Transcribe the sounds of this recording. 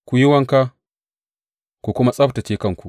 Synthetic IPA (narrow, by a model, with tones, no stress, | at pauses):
kʷu˨ji˦wɐ˦ŋka˦ | kʷu˨kʷʊ˦ma˦sʼɐ˦ta˨t͡ʃeː˦kɐ˦˨ŋkʷu˨ʔ